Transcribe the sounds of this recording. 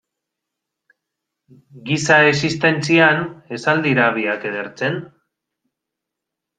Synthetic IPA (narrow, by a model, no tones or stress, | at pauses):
ɡisaesist̪e̞nt͡siane̞sald̪iɾaβ̞iake̞ðeɾt͡se̞n